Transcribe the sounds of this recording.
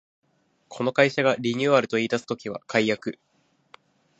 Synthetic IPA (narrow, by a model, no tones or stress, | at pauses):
kʰo̞no̞kaiɕaɡaɾʲiɲ̟ɨːaɾɯ̟t̪o̞iːt̪asɨ̥t̪o̞kʲiβa̰kʰajjakɯ̟